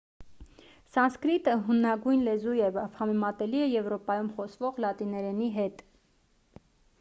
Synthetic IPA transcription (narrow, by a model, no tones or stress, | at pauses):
sɑnskɾit̪əɦunːɑɡujnlɛzujɛvvhɑmɛmɑt̪ɛliɛjɛvɾɔpɑjumχɔsvɔʁlɑt̪inɛɾɛniɦɛt̪